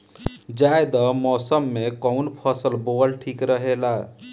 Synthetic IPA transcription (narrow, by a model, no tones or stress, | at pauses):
d͡ʒaed̪ɔmɔːsəmːekɔʊnpʰəsəlbolʈʰiːkɾəɦela